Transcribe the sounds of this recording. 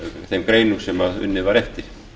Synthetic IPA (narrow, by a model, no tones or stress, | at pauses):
θemkreinːusemɑy̰nːiʋɑɾeht̪i